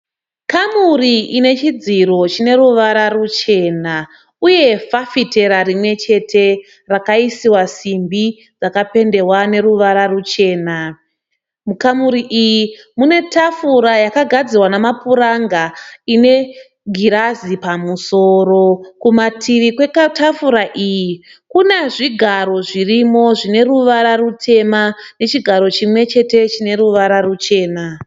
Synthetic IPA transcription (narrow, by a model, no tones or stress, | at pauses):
kamuriine̞t͡ʃid͡ziro̞t͡ʃine̞ɾuʋaɾarut͡ʃe̞na | uje̞fafite̞ɾaɾimwe̞t͡ʃe̞tʰe̞ | rakaisiwasimbi | d͡zakape̞nde̞wane̞ɾuʋaɾarut͡ʃe̞ːna | mukamuɾiʔiji | mune̞tafuɾajakaɡʱad͡zirwanamapuɾaŋɡaine̞ | ɡʱiɾazipamuso̞ːɾo̞kumatʰiʋikwe̞katafuɾaʔiji | kuneʐiɡʱaɾo̞ʐirimo̞ʐine̞ruʋaɾarutʰe̞mane̞t͡ʃiɡʱaɾo̞t͡ʃimwe̞t͡ʃe̞te̞t͡ʃine̞ɾuʋaɾarut͡ʃe̞ːna